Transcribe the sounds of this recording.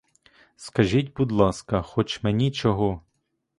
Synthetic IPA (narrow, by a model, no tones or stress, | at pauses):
skɐʒʲitʲbud̪lˠɑskɐxɔt͡ʃmenʲit͡ʃɔɦɔ